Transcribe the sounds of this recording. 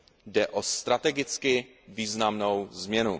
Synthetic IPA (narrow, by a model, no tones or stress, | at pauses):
dɛʔost̪ɾat̪ɛɡɪt͡skɪ | viːznamnowzmɲɛnu